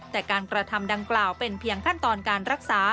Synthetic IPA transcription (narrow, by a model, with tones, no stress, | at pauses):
t̪ɛː˨˩kaː˧nkɾa˧t̪ʰa˧mda˧ŋklaː˨˩wpe˧npʰi˧əŋkʰa˥˩nt̪ɔː˧nkaː˧nɾa˦˥k̚saː˩˦